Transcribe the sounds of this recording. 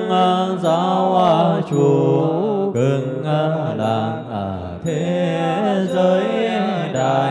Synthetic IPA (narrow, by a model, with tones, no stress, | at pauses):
ʔaː˧zaː˧˦wʔaː˧t͡ɕu˨˩ | kə˨˩n | aː˧laː˨˧˩nʔa˧˩ | t̪ʰe˨˦ | zəː˨˦ja˧˩ɗaː˨˩